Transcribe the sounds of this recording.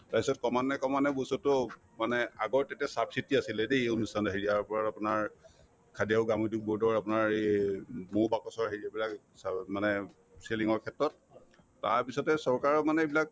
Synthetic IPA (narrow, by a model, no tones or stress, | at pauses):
taɹpisɔtkɔmanɛkɔmanɛbosɔtɔ | manɛaɡɔɹtɛtɛsabsitiasilɛdeonustʰanɔɦiɹiaɹpɔɹaapunaɹ | kʰadijaʊɡamuduk̚boɹdɔɹapʊnaɹemobakɔsɔɹɦiɹiabilak | smanɛ | seliŋɔɹkʰɛtɹɔt̚ː | a̰ɹpisɔtɛsɔɹkaɹɔmanɛbilak̚